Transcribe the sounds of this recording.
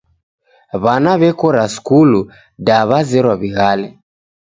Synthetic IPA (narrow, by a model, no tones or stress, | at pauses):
βanaβɛkɔɾaskulu | daβazɛɾwaβiɣalɛ